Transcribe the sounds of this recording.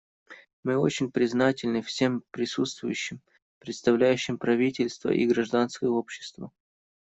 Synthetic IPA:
mɨo̞̰t͡ɕɪnʲpɾʲɪznatʲɪlʲnɨfsʲe̞mpɾʲɪsut̪st̪vʊjʉɕːɪm | pɾʲɪt̪st̪ɐvlʲæjʉɕːɪmpɾɐvʲitʲɪlʲst̪və̰ʔḭɡɾɐʐd̪anskəjəo̞pɕːɪ̥st̪və̰

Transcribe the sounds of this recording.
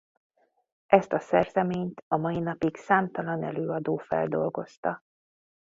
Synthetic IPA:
ʔɛst̪ɒsɛrzɛmeːɲt̪ɒmɒjinɒpiksaːmt̪ɒlɒnɛ̰løːɒd̪oːfɛ̰ld̪o̞lɡo̞st̪ɒ

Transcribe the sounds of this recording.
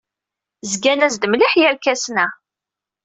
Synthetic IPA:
zɡænæzd̪mliħjəɾkæsnæ

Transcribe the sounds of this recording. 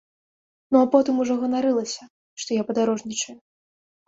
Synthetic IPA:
nuapɔt̪ɨmuʐɔɣɐnaɾɨlˠɐsʲɐ | ʂt̪ɔjapɐd̪aɾɔʐnʲit͡ʂɐju

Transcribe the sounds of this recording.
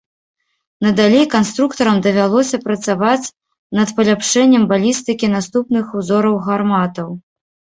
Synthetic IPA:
nɐd̪alʲejkanst̪ɾukt̪ɐɾɐmd̪ɐvʲalˠɔsʲɐpɾɐt̪savat͡sʲ | nɐt̪pɐlʲapʂɛnʲːɐmbalʲist̪ɨkʲinast̪upnɨxuzɔɾɐwɣarmat̪ɐw

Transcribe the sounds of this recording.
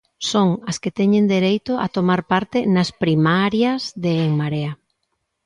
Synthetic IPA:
soŋɐsket̪ɛɲend̪eɾejt̪ʊʔa̰t̪omaɾpaɾt̪ɪnaspɾimaɾjɐzðeːŋmaɾea

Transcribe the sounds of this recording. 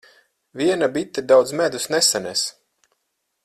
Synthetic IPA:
vʲiɛnabit̪ːɛd̪awd̪zmæd̪usnɛsanɛs

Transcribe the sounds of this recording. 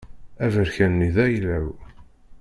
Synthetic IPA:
ævəɾçænːiðæjlæw

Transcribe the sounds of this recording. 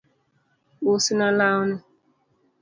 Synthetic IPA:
usinalaʊnʊ

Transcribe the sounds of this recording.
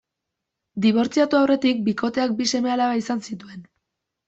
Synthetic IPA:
d̪iβ̞o̞ɾt͡siat̪uawre̞t̪ik̚biko̞t̪e̞ak̚bise̞me̞alaβaisansit̪ue̞n

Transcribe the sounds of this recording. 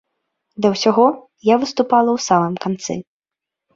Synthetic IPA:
d̪ɐwsʲaɣɔ | javɨst̪upalˠɐwsamɨmkant̪sɨ̰

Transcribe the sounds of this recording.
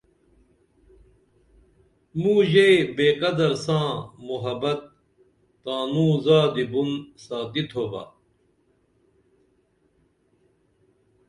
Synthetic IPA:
mũːʑebeːqɐd̪ɐɾsãːmuɦɐbɐt̪̚ː | aːnũːzaːd̪ibunsaːt̪it̪ʰoba̰ː

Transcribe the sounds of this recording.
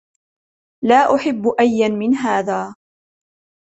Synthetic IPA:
laːʔʊħɪbːʊʔajːanmɪnɦaːðaː

